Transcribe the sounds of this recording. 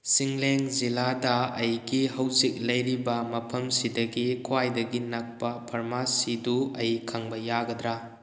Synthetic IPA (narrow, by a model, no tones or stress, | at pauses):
siŋleŋziladɐːjɡihɐwzik̚lɐjɾibɐmɐpʰɐmsidɐɡikʰwajdɐɡinɐk̚pɐpʰɐɾmasiduɐjkʰaŋbɐjaɡɐd̪ɾa